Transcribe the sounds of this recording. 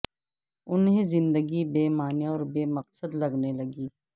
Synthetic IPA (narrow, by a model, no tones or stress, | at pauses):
ʊnɦẽzɪ̃nd̪əɡibeːmaːnjaɔːɾbeːmɐqsəd̪lɐɡnelɐɡiː